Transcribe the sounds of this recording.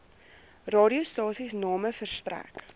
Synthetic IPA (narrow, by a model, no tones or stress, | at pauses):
rɑːɾiustɑːsisnɑːməfərstræ̰k